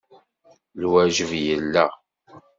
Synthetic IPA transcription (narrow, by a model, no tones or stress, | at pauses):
lwæʒəvjəlːæ